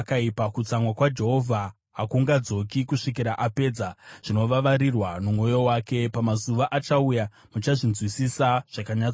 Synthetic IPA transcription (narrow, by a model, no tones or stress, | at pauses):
kaipakut͡samwakwad͡ʒe̞ɦo̞vʱa | ɦakuŋɡad͡zo̞kikuʂikiɾaʔape̞ːd͡zaʐ̥ino̞ʋaʋaɾirwanumo̞jo̞waːke̞pamazuʋaʔat͡ʃauja | mut͡ʃaʐinzwisisaʐ̥akaɲat͡s